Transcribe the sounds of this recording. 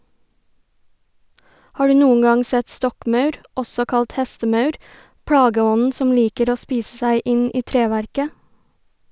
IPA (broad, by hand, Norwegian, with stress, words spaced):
ˈhɑː ˈɖʉː ˈnuːən ˈɡɑŋ ˈsɛt ˈstɔkˌmœʉɾ ˈɔsɔ ˈkɑlt ˈhɛstəˌmœʉɾ ˈpɽɑːɡəˌɔnn̩ ˈsɔm ˈliːkəɾ ˈoː ˈspiːsə ˈsæɪ ˈɪn ˈiː ˈtɾeːˌʋæɾkə